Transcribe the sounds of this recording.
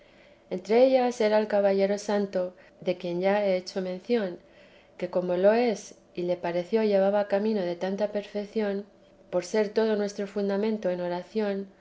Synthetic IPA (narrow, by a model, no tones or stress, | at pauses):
e̞nt̪ɾe̞eʎase̞ɾaelkaβaʎe̞ɾo̞sant̪o̞ | ðe̞kje̞nʝae̞et͡ʃo̞mẽ̞n̟θjo̞ŋ | ke̞ko̞mo̞lo̞e̞s | ile̞paɾe̞θjo̞ʝe̞β̞aβakamĩno̞ð̞e̞t̪ant̪ape̞ɾfe̞kθjo̞n | po̞ɾse̞ɾt̪o̞ð̞o̞nwe̞st̪ɾo̞fund̪amẽ̞nt̪o̞eno̞ɾaθjo̞n